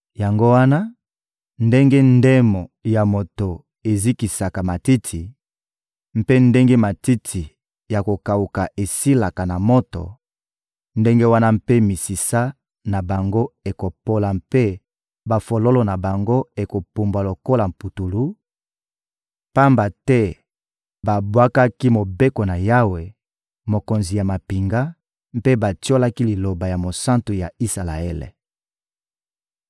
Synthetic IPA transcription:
ja˨ŋɡo˦wa˦na˦ | nde˦ŋɡe˦nde˦mo˨ja˨mo˨to˨ | e˨zi˦ki˨sa˨ka˨ma˨ti˦tʰi˨ | m̩˦pe˦nde˦ŋɡe˦ma˨ti˦tʰi˨ | ja˨ko˨ka˨u˨ka˨ʔe˨si˦la˨ka˨na˨mo˦to̰˨ | nde˦ŋɡe˦wa˦na˦mpe˦mi˨si˨sa˦ | na˨ba˨ŋɡo˦e˨ko˨po˦la˨mpe˦ | ba˨fo˨lo˦lo˦na˨ba˨ŋɡo˦e˨ko˨pu˨mbwa˨lo˨ko˦la˨m̩˨pu˨tu˨lu˦ | pa˦mba˨tɛ˦ | ba˨bwa˦ka˦ki˦mo˨be˦ko˨na˨ja˦we˨ | mo˨ko˨nzi˨ja˨ma˨pi˨ŋɡa˦ | mpe˦ba˨tjo˦la˦ki˦li˨lo˨ba˨ja˨mo˨sã˦ntu˨ja˨i˦sa˨la˨e˦lḛ˨

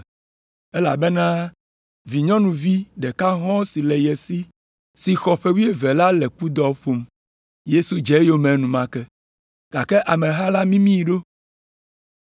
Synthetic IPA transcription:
ɛ˦la̰˨bɛ˦nã˦ | vi˨ɲɔ̃˦nũ˨vi˦ɖɛ˨ka˦ɦɔ̃˦si˨lɛ˨jɛ˨si˦ | si˨xɔ˨ɸɛ˦wu˦e˨vɛ˨la˦lɛ˨ku˦d̪ɔ˨ɸo˨m | je˦su˨d͡ʒɛ˨˦jo˦mɛ̃˨nũ˨mã˦kɛ˦ | ɡ̥a˨kɛ˦ʔa˨mɛ̃˨ɦa˦la˦mĩ˦mĩ˦ji˨ɖo˦

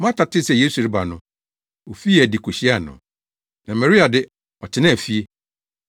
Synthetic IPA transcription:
m˦ã˦tʰa˨tʰɪ˦sɛ˨je˦su˨ɾɪ˦ba˨nʊ̃˦ | wo˨fi˦˨æ˨di˨kʰo˨ɕi˦a˦˨nʊ̰̃˨ | nã˨mɛ˨ɾi˦a˨dɪ˦ | ɔ˨t͡ɕʰɪ˦nã˦˨fi˦e˦

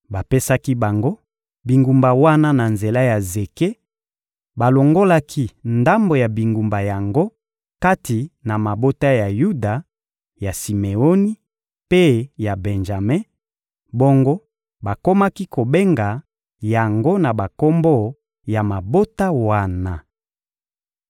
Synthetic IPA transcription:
ba˨pe˦sa˦ki˦ba˨ŋɡo˦ | bi˨ŋɡu˨mba˨wa˦na˦na˨nze˨la˦ja˨ze˨ke˦ | ba˨lo˨ŋɡo˦la˦kʰi˦nda˦mbo˨ja˨bi˨ŋɡu˨mba˨ja˨ŋɡo˦ | ka˦ti˨na˨ma˨bo˦ta˦ja˨ju˦da˨ | ja˨si˨me˨o˦ni˦ | pe˦ja˨bɛ˨nʒa˨me˦ | bo˦ŋɡo˦ | ba˨ko˦ma˦ki˦ko˨be˦ŋɡa˨ | ja˨ŋɡo˦na˨ba˨ko˦mbo˦˨ | ja˨ma˨bo˦ta˦wa˦na˨

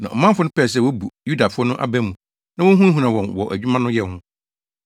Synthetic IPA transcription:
nã˨ɔ˨mã˦fʊ˦nʊ̃˦pɛː˦˨s̬ɛ˨wɔ˦bu˨ju˦da˨fʊ˦ɔ˦nʊ̃˦ʔa̰˦bæ̃˦mũ˨ | nã˦wɔ̃˦ɦũ˦ɦu˨nã˨wɔ̃˨nwɔ˨ʔæ˨d͡ʑᶣu˦mã˦nʊ̃˦jɛ˨hʊ̃˦

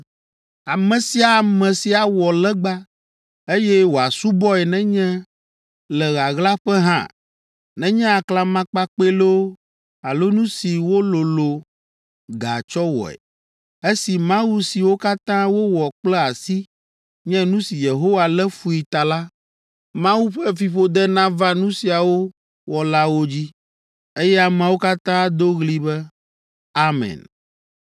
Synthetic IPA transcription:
a˨mɛ̃˨si˦a˨mɛ̃˨si˨a˨wɔ˨lɛ˦ɡ͡ba˦ | e˦jɛ˦wo˨a˨su˦bɔ˦ɛ˨nɛ̃˦ɲɛ̃˦ | lɛ˨ɣa˨ɣla˦ɸɛ˦ɦã̰˦˨ | nɛ̃˦ɲɛ̃˦a˨kla˨mã˦k͡pa˦k͡pe˦lo˦ | a˨lo˦nũ˦si˨wo˦lo˨lo˨ | ɡa˨t͡ʃɔ˦wɔ̰˨ɛ̰˨ | e˦si˨mã˦wu˦si˨wo˦ka˦t̪ã˦wo˦wɔ˨k͡plɛ˦a˨si˦ | ɲɛ̃˦nũ˦si˨je˨ɦo˦wa˨lɛ˦fu˦i˨t̪a˨la˦ | mã˦wu˦ɸɛ˦fi˨ɸo˦d̪ɛ˦nã˦va˦nũ˦si˨a˨wo˦ | wɔ˨la˦wo˦d͡ʑi˦ | e˦jɛ˦a˨mɛã˨wo˦ka˦t̪ã˦d̪o˦ɣli˦bɛ˦ | a˦mɛ̰̃˨n

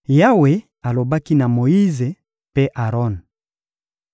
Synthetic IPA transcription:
ja˦we˨ | a˨lo˨ba˦ki˦na˨mo˨i˦ze˨ | pe˦ʔa˨ʁɔ˦n

